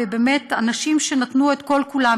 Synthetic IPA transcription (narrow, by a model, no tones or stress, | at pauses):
ebemetanaʃimʃenat̪nuet̪ko̞lkula